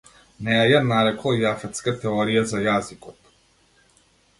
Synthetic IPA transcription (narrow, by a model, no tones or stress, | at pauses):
nɛajanaɾɛklˠajafɛt̪skat̪ɛɔɾijazajazikɔt̪